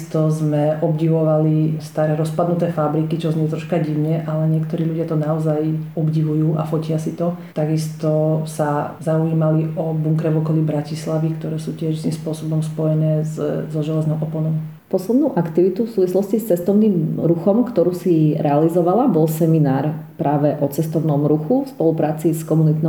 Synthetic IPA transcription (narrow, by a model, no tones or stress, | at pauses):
st̪ɔzmɛʔɔbɟiʋɔʋalist̪aɾɛːɾɔspad̪nut̪ɛːfabɾikit͡ʃɔzɲɛɛt̪ɾɔʃkaɟiʊɲɛʔalɛɲɪɛkt̪ɔɾiːʎuɟɪat̪ɔnaɔzajɔbɟiʋujuːʔa̰fɔcɪasit̪ɔt̪aɡist̪ɔsazauiːmaliʔɔbuŋkɾɛʋɔkɔlibɾacislaʋikt̪ɔɾɛːsuːcɪɛʃst̪imspʊɔsɔbɔmspɔjɛnɛːzzɔʒɛlɛznɔʊʔɔpɔnɔʊ | pɔslɛd̪nuʊʔakt̪iʋit̪ufsuːʋislɔscist͡sɛst̪ɔʊniːmɾuxɔmkt̪ɔɾuːsiɾʔɛalizɔʋalabɔlˠsɛminaːɾpɾʔaːʋɛʔɔt͡sɛst̪ɔʊnɔmɾuxufspɔlupɾaːt͡siskɔmunit̪nɔ